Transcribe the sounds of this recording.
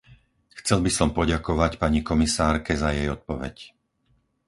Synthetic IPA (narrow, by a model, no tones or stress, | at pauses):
xt͡sɛlbisɔmpɔɟakɔʋacpaɲikɔmisaːɾkɛzajɛjɔt̪̚pɔʋɛ̰c